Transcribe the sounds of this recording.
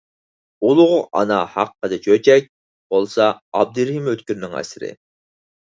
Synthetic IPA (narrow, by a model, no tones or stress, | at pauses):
ulˠʊʁʊʔɑ̰nɑhɑqːəd̪ɛt͡ʃʰøt͡ʃʰɛk̚ʲ | b̥olˠsɑɑb̚d̪ɨɾhimøt̪kʲyɾnɪŋæ̰sɪɾɪ̰